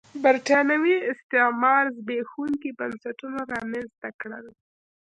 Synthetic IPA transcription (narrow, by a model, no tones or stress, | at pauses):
baɾʈɑnawiɪst̪ɪmɑɾzbexuŋkibansaʈunoɾɑmanzt̪akɽə̰l